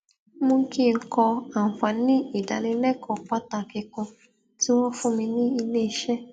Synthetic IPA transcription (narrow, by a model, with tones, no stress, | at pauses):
mũ˧˦ki˦˨ŋ̩˦kɔ˧a˨fa˨nĩ˦i˦˨da˨nĩ˧˦lɛ˦kʰɔ˨k͡pa˦ta˨ki˧kɔ̃˧ | ti˦w̃ɔ̃˦fũ˦mĩ˧nĩ˦i˧le˦i˧ʃɛ˦